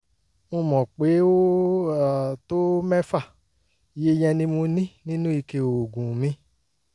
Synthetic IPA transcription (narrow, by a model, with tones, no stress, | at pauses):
mõ˧mɔ̃˨k͡pe˨˦o˦a˦˨to˦mɛ˦fa˦˨ | i˨je˦jɛ̃˧nĩ˦mo˧nĩ˦nĩ˦nũ˦i˧ke˧o˨ɡũ˨mĩ˨˦